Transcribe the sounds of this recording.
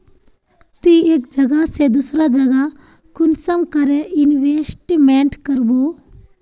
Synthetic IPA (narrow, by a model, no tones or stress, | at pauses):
t̪ieːk̚d͡ʒɐɡased̪usɾad͡ʒɐɡa | kʊnsəmkəɾeʔɪnʋesʈimẽɳʈkəɾboː